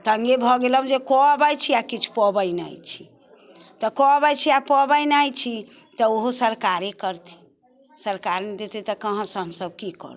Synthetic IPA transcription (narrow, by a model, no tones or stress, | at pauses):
t̪əŋɡebʱɔɡeləũd͡ʒekɔbəjt͡ʃʰiakit͡ʃʰu̥pɔbəjna̰jt͡ʃʰi̥ | t̪ɔkɔbəjt͡ʃʰiapɔbəjnajt͡ʃʰi | t̪ɔoɦosəɾkaɾekəɾt̪ʰi̥ | səɾkaɾned̪et̪ɛt̪ɔkəɦə̃sə̃ɦəmsəb̚kikɔ̰ɾ